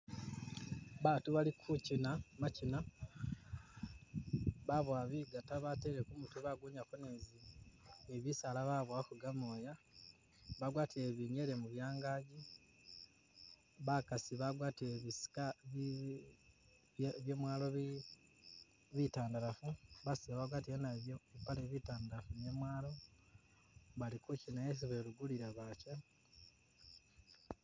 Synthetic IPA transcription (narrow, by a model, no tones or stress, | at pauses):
βaːtuβalikʰucinamacina | βaβwaβiɡataβateɾekumuteβaɡuːɲakoneːzi | eβisalaβaβwakuɡamo̞ːja | βaɡwaːtiɾe̞βiŋe̞ɾe̞muβjaːŋɡaːɟi | βakasiβaɡwaːtieβisi̥ka | βjemwaːlo̞βi | βitaːndaɾafuβasiβaβaɡwaːtienapaleβitaːndaɾafune̞mwaːlo̞ | βalikucinajes̬iβe̞luɡuliɾaβaca